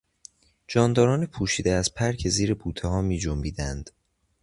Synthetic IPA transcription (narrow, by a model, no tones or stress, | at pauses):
d͡ʒɒːnd̪ɒːɾɒːnepʰuːʃiːd̪eæzpʰæɾcʰeziːɾebuːt̪ʰeɦɒːmiːd͡ʒombiːd̪ænd̪̥